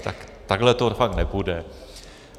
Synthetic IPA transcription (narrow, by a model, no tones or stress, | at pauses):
t̪akt̪aɡlɛt̪ofaknɛpudɛ